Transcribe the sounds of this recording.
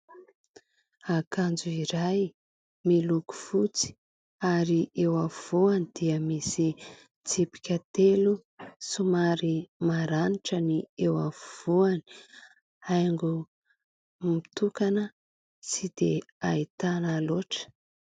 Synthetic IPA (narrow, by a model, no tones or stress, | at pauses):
akand͡zuiɾaj | miluku̥fut͡si̥ | aɾiʔewavuanid̪̥iəmisi | t͡sipi̥kʲət̪elu | sumaɾimaɾaniʈ͡ʂəniewa̰vuani̥ | ajŋɡu | mit̪ukanə | t͡sid̪eait̪analoʈ͡ʂə̥